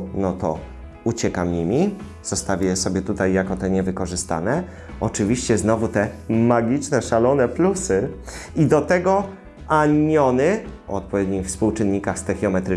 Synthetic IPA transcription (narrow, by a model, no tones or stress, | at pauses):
nɔt̪ɔ̰ | ut͡ɕɛkamɲimʲi | z̥ɔst̪avʲɛsɔbʲjɛt̪ut̪ajːakɔt̪ɛɲɛvɘkɔʐɘst̪a̰nɛ | ɔt͡ʂɘvʲiɕt͡ɕɛznɔvut̪ɛmaɡʲit͡ʂnɛʂalɔnɛplusɘid̪ɔt̪ɛɡɔ | aɲɔnɘ | ɔ̰ɔt̪̚pɔvʲjɛd̪ɲixfspuwt͡ʂɘnɲikaxst̪ɛxʲjɔmɛt̪ɾɘ